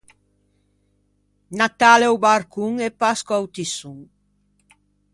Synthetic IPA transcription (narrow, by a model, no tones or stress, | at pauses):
nat̪alewbaɾkuŋepaskoawt̪isuŋ